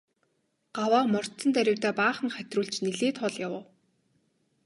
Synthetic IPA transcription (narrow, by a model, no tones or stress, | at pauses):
ɢ̥awaːmɔr̥t̪sə̆nt̪æɾʲɪ̆wt̪æːpaːχə̆ŋχæt̪ʲruːɮt͡ɕniɮeːt̪χɔɮjawə̆w